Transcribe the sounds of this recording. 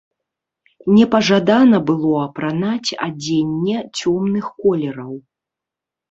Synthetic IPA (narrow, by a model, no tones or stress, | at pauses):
nʲɛpɐʐad̪anɐbɨlˠɔɐpɾanat͡sʲa̰d͡zʲenʲːɛt͡sʲɔmnɨxkɔlʲɛɾɐw